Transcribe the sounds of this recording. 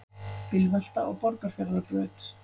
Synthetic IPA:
pɪlval̥t̪aʔɔɣpɔɾkaɾ̥fjɛɾðapɾœːt̪

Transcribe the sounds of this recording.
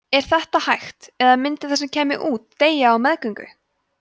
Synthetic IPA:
ɛɾ̥θɛht̪ahajxt̪ɛðamɪnt̪ɪθɛsɛmcʰɛːmɪ̰ʔuːt̪ːeːjaːwmɛðkʏŋkʏ̰

